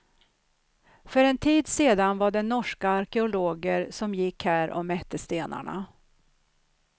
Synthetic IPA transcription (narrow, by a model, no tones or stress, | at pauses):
fœɾɛnt̪ʰiːd̪seːd̪anvaɖɛnːɔʂkaːɾkɛʊloːɡəɾsɔmjɪkhæːɾʔɔ̰mɛt̪ːəst̪eːna̰ɳa̰